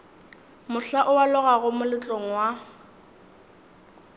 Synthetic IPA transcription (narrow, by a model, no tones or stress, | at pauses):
mʊɬaʔʊwalʊɣaɣʊmʊlɪt͡ɬʼoŋ̩wa